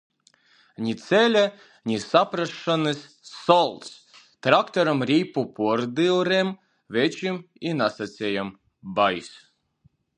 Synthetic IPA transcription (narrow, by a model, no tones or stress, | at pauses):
nʲit̪sʲɛlʲɛ | nʲisapɾaʃːanɨsː | ɔlˠt̪s | t̪ɾakt̪ɔɾamɾʲiːpupʰuɔɾd̪ilˠɾɛm | vʲɛt͡ʃim | inasat̪sʲejam | bajs